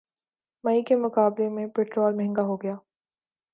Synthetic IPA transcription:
maːikemʊkaːblemẽpeːʈɾoːlmɛɦɛ̃ŋɡaɦoɡɐjaː

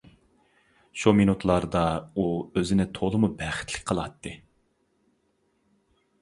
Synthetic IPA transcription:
ʃuminut̪ʰlˠɑɾd̪ɑuøzɪnɪt̪ʰolˠɨmubæχɪ̥t̪ʰlɪ̥kʲqʰəlˠɑt̪ːɨ

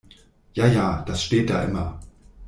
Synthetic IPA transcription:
jaːjaːd̥asʃteːt̚d̥a̰ːʔɪmɐ

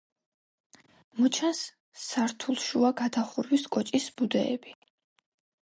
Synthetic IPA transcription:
mɔt͡ʃʰansː | aɾt̪ʰulˠʃuaɡad̪aχuɾwiskʼɔt͡ʃʼisbud̪ɛ̰ɛ̰bi

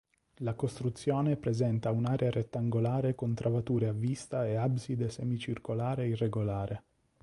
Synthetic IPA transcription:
lakost̪ɾut̪sːjɔːnepɾezɛnt̪aunaːɾeaɾet̪ːaŋɡolaːɾekont̪ɾʔavat̪uːɾeavːist̪aeabsid̪esɛmit͡ʃirkolaːɾeireɡolaːɾʔe

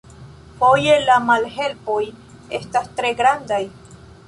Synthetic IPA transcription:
pojelamalhelpoj | ḛst̪ast̪ɾeɡɾand̪aj

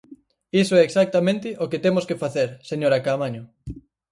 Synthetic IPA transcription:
isoɛːksak̚t̪amẽnt̪ɪʔoket̪emʊskefaθeɾseɲoɾakamaɲʊ

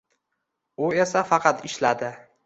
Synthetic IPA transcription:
ʊe̞safɑqʰɑt̪ɪʃlad̪ɪ

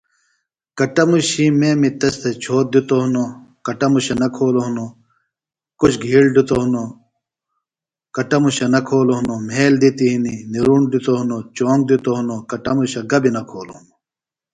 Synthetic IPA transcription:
kɐʈɐmuɕimeːmit̪ɐst̪ʰet͡ɕʰoːt̪̚d̪ut̪oɦunokɐʈɐmuɕɐnɐkʰoːloɦuno | kut͡ɕʰɡʱiːɽɖut̪oɦuno | kɐʈɐmuɕɐnɐkʰoːloɦunom̤ʱeːld̪it̪iɦininiɾuːɳɖut̪oɦunot͡ɕoːŋɡ̚d̪ut̪oɦunokɐʈɐmuɕɐɡɐbinɐkʰoːlohuno

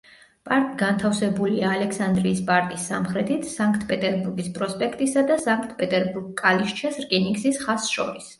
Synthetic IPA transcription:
pʼaɾt̪ʼiɡant̪ʰafsɛbuliaːlɛkʰsand̪ɾiːspʼaɾt̪ʼisːamχɾɛt̪ʰit̪ʰsaŋkʰt̪ʰpʼɛt̪ʼɛɾbuɾɡispʼɾɔspʼɛkʰt̪ʼisad̪asaŋkʰt̪̚ʰpʼɛt̪ʼɛɾbuɾɡkʼaliʃt͡ʃʰasɾkʼɛniŋɡsisχasʃɔ̰ɾis

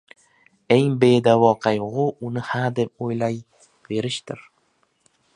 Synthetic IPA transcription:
e̞ŋbe̞d̪avɒqʰɑjʁʊʊnɪhad̪ep̚ojlaj | ve̞ɾɪʃd̪ɪɾ

